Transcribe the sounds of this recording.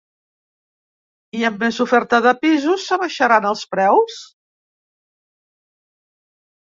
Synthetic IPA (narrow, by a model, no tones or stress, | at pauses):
iəmːezufɛɾt̪əðəpizusːəβəʃəɾanəlˠspɾɛws